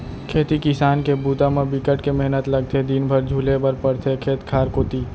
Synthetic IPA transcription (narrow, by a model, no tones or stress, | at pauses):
kʰeːt̪ikɪsaːnkebuːt̪amẽbɪkəʈkemɛɦnət̪lɐɡ̚t̪ʰed̪ɪnbʱəɾd͡ʒʱuːlebɐɾpɐɾt̪ʰekʰeːt̪kʰaːɾkoːt̪iː